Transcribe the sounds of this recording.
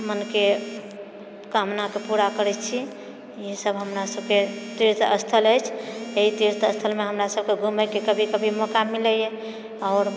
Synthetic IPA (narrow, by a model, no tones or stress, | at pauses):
mənke | kamnakepuɾakəɾɛt͡ʃʰi | iɦsəbɦəmɾasəbket̪iɾt̪ə̰st̪ʰələjt͡ʃʰeɦit̪iɾt̪əst̪ʰəlmeɦəmɾasəb̚keɡʱuməjkekəbʱikəbʱimokamiləje | ɔːɾ